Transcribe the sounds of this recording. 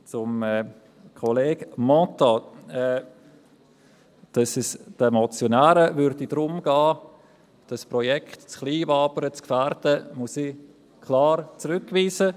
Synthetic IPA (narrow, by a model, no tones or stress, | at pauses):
t͡sʊmɛ | kʰoleːɡ̥mɔ̃taɛ | d̥ɑsɪsd̥əmɔt͡sjonæːɾəvʏɾdidɾʊmɡ̥ɑː | d̥ɑsprɔjɛktt͡skliːvɑːbəɾət͡skfɛɾdəmʊsi | kʰlɑːrt͡sɾʏkːviːsə